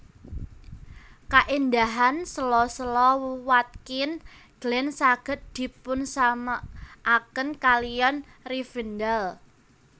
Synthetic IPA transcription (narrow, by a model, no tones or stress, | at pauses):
kaʔind̪aɦansəlɔsəlɔwuwat̪̚kɪn | ɡ̥lɛnsaɡ̥ə̤t̪̚d̪̥i̤pʊnsamaʔːkənkalijɔn | rifind̪al